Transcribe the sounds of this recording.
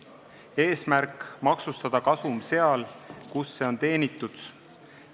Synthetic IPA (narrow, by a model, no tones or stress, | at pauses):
e̞ːsmærkˑmɑksust̪ɑd̪̥ɑkɑsumse̞ɑlkusːe̞o̞nt̪e̞ːnit̪ːˑud̪̥